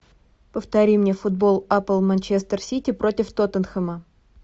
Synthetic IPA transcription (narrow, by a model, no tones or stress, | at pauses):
pəft̪ɐɾʲimnʲefʊd̪̚bo̞lˠapəlˠmɐnʲt͡ɕest̪ərsʲitʲɪpɾotʲɪft̪ot̪ənxəmə